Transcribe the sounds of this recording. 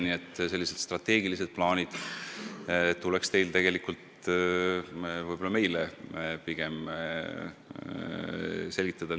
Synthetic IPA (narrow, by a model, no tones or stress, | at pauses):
nie̞t̪ːse̞lːise̞d̪̥st̪rɑt̪ːe̞ːɡilise̞d̪̥̚plɑːnʲid̪̥ | t̪ːule̞kst̪e̞jlt̪e̞ɡ̥e̞likult̪ | vɯjbo̞lːɑme̞jlepiɡ̥e̞m | se̞lʲɡ̥it̪ˑːɑd̪̥ɑ